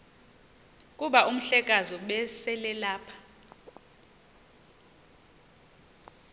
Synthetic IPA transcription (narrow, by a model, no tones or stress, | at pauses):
k̬ʼuɓaʔum̩ɬɛk̬ʼazɔɓɛsɛlɛlaːpʰḁ